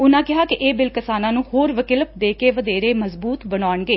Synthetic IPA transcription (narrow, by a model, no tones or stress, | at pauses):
ʊnãːkɪɦaːkɪʔeːbɪlkɪsaːnãːnũːhoːɾʋəkɪləp̚d̪eːkeːʋəd̪eːɾeːməzbuːt̪bənaːəɳɡeː